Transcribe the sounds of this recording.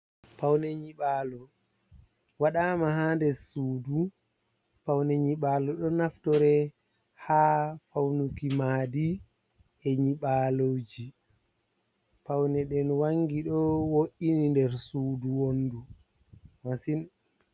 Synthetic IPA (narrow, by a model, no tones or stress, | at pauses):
pawnɛɲiɓaːlɔ | waɗaːmahaːndɛsuːdu | pawnɛɲiɓaːlɔɗɔnaftɔɾɛ | haːfawnukimaːdi | ɛɲiɓaːlod͡ʒi | pawnɛɗɛnwaŋɡiɗɔwoʔinindɛɾsuːduwonːdu | masin